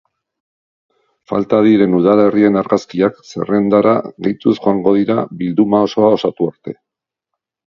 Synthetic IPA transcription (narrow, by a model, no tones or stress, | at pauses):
fa̰lt̪aðiɾe̞nuð̞ale̞rie̞naɾɣaskiakse̞̰re̞nd̪aɾa̰ɣejt̪usʝo̞aŋɡo̞ð̞iɾaβild̪umao̞so̞ao̞sat̪uaɾt̪e̞